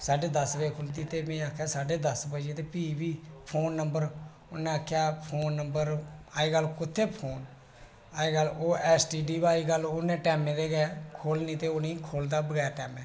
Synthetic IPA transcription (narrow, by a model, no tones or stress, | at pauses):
saːɖeːd̪əsbekʰʊlt̪iːt̪eːmẽːaːkʰjaːsaːɖeːd̪əsbəd͡ʒeːt̪eːpiːbiːpʰoːnːəmbəɾ | ʊnːẽːaːkʰjaːpʰoːnːəmbəɾaːiːɡəlkʊt̪ʰːeːpʰoːn | aːeːɡəloːʔɛːsʈiːɖiːbaːiːɡəlʊnːẽːʈɛːmẽːd̪eːɡɛːkʰoːlnĩːt̪eːoːnĩːkʰoːld̪aːbəɡɛːɾʈɛːmɛː